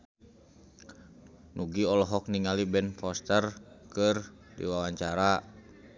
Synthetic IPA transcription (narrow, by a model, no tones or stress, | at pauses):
nuɡiɔlɔɦɔk̚niŋalibɛnfɔst̪ərkɨrdḭwawaɲt͡ʃaɾa